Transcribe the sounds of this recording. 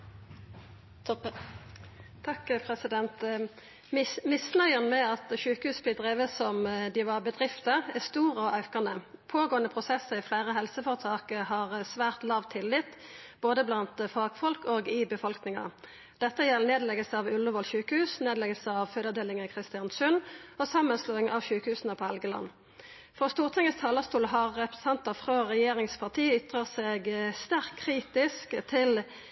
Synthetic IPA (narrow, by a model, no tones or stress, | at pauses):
t̪ʰɑkpʰɾɛsɪd̪ɛnt̪ | mɪsnœʏənmɛɑt̪ʃʉːkəhʉːsblɪd̪ʁeːʋəsɔmd̪ɪʋɑʁbəd̪ʁɪft̪əæst̪uːʁəɔʔɑʉkɑnəpʰoːɡoːənəpʰʁʊsɛsːəɪflæːʁəɦɛlsəfɔʁt̪ʰɑːkəhɑʁəsʋæːʁt̪lɑːʋt̪ʰɪlːɪt̪ːb̥oːd̪əblɑnt̪fɑːɡ̥fɔlkoːɡɪbəfɔlknɪŋɑ̰ | d̪̥ɛt̪ːəjɛlneːd̪lɛɡəlsəɑʋʉləʋɔlçʉːkəhʉːsneːd̪lɛɡəlsəɑʋføːd̪əd̪eːlɪŋəkʰʁɪst̪ɪɑnsʉnɔsɑmːənsloːɪŋɑʋʃʉːkəhʉːsnəpʰɔhɛlɡəlɑ̰nː | fɔʁst̪uːʁt̪ʰɪŋəst̪ʰɑːləst̪uːlɦɑʁːɛpʁəst̪ɑnt̪ɑfʁøːʁɛjeːʁɪŋspʰɑʁt̪ʰiːʏt̪ʁəʁseːɡst̪æʁkkʰːʁiːt̪ɪskt̪ʰɪl